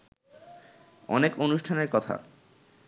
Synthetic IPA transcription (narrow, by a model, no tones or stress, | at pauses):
ɔ̰nekonuʃʈʰaneɾkɔt̪ʰa̰